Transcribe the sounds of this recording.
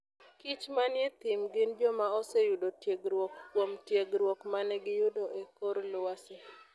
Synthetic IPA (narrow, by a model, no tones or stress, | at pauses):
kit͡ʃmanjɛt̪ɪmɡɪnd͡ʒɔmaɔsɛjʊdotjeɡɾwokːwomtjeɡɾwokmanɛɡɪjʊdoʔekoɾlʊwasɛ